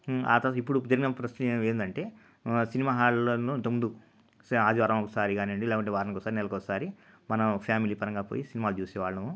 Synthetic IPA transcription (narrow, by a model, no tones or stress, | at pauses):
a̰ːt̪ɐipːuɽud͡ʒɐɾiɡinɐɐpɾɐst̪eːnd̪ɐɳʈe̞ː | sinimaːɦaːɭlɐnunt̪ɐmund̪u | saːd̪iʋaːɾɐ̃mɔkɐsaːɾiɡaːniɐɳɖilaːkɐɳʈeːʋaːɾɐnkɔɐsaːɾinɛlɐkɔːkɐsaːɾi | mɐnɐpʰaːmiliːpɐɾɐŋɡaːpoːjisinimaːlut͡ʃuːsɛːʋaːɭːɐnɐʋu